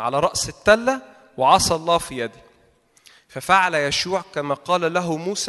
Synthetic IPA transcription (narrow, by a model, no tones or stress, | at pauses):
ʕa̰læɾˤɑʔsɪt̪ːælːæ | weʕɑsˤɑlˤːɑːfijæd̪i | fæfaʕalæjæʃuːʕkæmæːqɑːlælæɦʊmuːs